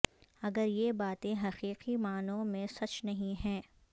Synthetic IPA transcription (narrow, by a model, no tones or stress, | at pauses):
ɐɡəɾjebaːt̪ẽɦɐqiːqimaːnõmẽsɐt͡ʃnɐɦĩɦɛ̃ː